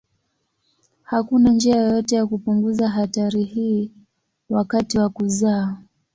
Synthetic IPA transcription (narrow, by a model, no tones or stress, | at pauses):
hakunand͡ʒiajɔjɔtɛjakupuŋɡuzaɦataɾihiː | wakatiwakuzaː